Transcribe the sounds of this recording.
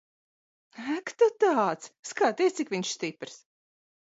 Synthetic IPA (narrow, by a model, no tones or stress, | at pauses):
ækt̪ɔt̪aːt̪sskaːt̪iːst̪sikviɲʃst̪ipɾs